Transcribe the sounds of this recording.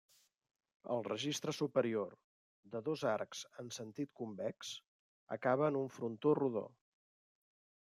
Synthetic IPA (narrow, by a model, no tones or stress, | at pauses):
ə̰lˠrəʒist̪ɾəsupəɾior | d̪əðozaɾkz̥ənsənt̪it̪̚kumbɛks | ə̰kaβəːnuɱfɾunt̪oruðo̰